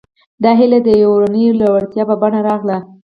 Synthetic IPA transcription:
d̪ɑɦɪlad̪əjwɾanəjolawaɽt̪jɑbabaɳaɾɑɣla

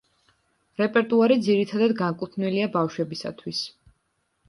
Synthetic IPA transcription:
ɾɛpʼɛɾt̪ʼuaɾid̪ziɾit̪ʰad̪ad̪ɡaŋkʼut̪ʰnwiliabafʃwɛbisa̰t̪ʰwis

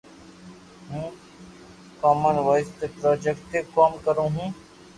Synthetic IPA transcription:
ɦũː | kɔːmənʋaːɪst̪epɾɔːd͡ʒekʈt̪eːkɔːmkəɾõːɦũː

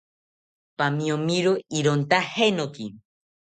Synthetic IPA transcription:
pamĩomiɾoiɾont̪ahenoki

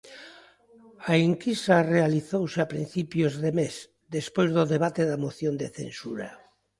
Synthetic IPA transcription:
aiŋkisarealiθowseapɾḭn̟θipjozðemes | d̪espojzðoðeβat̪eðamoθjond̪eθḛnsuɾa̰

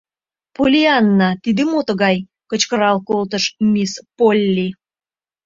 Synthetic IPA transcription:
polʲiɑnːɑt̪id̪emot̪əɣɑj | kət͡ɕkəɾɑlkolt̪əʃmʲispolʲːi

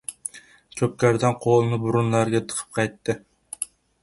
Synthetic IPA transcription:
t͡ʃʰøkʲːæɾd̪ɪnqʰolˠɨnɨbuɾunlˠɑɾɡʲɛt̪ʰə̥qʰə̥p̚qʰɑjt̪ːɨ

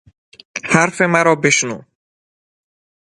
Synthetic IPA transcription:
haɾfemæɾɒːbeʃnṵː

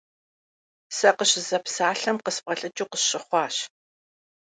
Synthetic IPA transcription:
sɐqəɕzɐpsaːɬɐmqəsp̚ʼɐɬʼɨt͡ʃʼuːqəsɕɪχʷɑːɕ

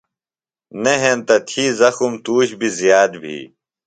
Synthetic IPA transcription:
neɦent̪ɐt̪ʰiːzɐxumt̪uːɕbʱizjaːd̪bʱḭː

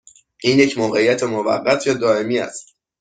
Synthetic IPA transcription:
iːnjecmoːɣe̞ijːæt̪ʰemovæ̰ɢːæt̪ʰjɒːd̪ɒːe̞miːæ̰st̪

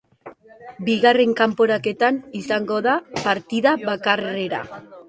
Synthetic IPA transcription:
biɣare̞ŋkampo̞ɾake̞t̪anisaŋɡo̞ðapaɾt̪iðaβakare̞ɾa̰

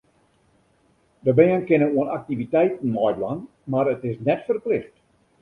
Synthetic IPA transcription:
dəbɛənkɪnənuənak̚tivitɛjtn̩ːɔjblan | marətɪsnɛtfərplɪxt

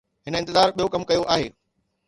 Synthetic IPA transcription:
ɦɪnəɪ̃nt̪ɪzaːɾɓijokɐmkɐjoʔaːɦeː

